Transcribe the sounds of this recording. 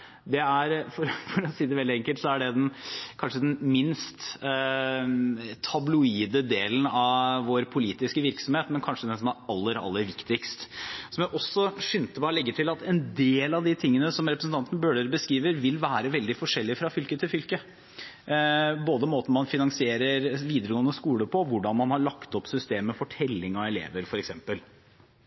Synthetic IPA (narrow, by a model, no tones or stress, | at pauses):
d̪ɛæɾfɔɾfɔɾɔsiːd̪ɛʋɛld̪ɪɛŋkəlt̪sɔæɖɛd̪ɛnkʰɑnʂəd̪ɛnmɪnst̪ | t̪ʰɑblʊiːd̪əd̪eːlən̩ɑʋʋoːɾpʰʊliːt̪ɪskəʋɪɾksɔmheːt̪mɛnkʰɑnʂəd̪ɛsɔmæɾɑlːəɾɑ̰lːəɾʋɪkt̪ɪkst̪sɔmjæʔɔsːɔʂʏnt̪əbɑːɾlɛɡːəʈʰɪlɑt̪ɛnd̪eːlɑʋd̪ɪt̪ʰɪŋːənəsɔmɾɛp̬ɾəsn̩t̪ɑnt̪n̩bøːɖəɾbəskɾiːʋəɾʋɪlʋæːɾəʋɛld̪ɪfɔʂɛlːɪfɾɑfʏlkət̪ʰɪlfʏlkə | boːd̪əmoːt̪n̩mɑnfɪnɑŋsɪeːɾəɾʋiːd̪əɾəɡoːnːəskuːləpʰɔʋʊɖɑnmɑnhɑɾɭɑkt̪ɔpsʏst̪eːmːɛfɔʈʰɛlːɪŋɑɛlḛːʋəɾfɔɾɛksɛmpəl